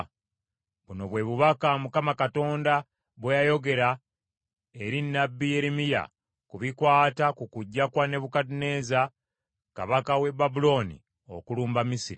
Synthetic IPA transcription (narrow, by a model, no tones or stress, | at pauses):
βuno̞βwe̞βuβakamukamakato̞ːnda | βwejajo̞ɡe̞ɾa | eɾinːabːije̞ɾimija̰ | kuβikwaːtakukuɟːakwane̞βukatineːza | ka̰βakawe̞babulo̞nḭ | o̞̰kuluːmbamisiɾi